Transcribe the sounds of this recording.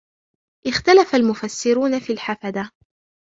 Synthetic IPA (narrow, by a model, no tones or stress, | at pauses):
ʔɪxt̪alafalmʊfasːɪɾuːnafiːlħafad̪a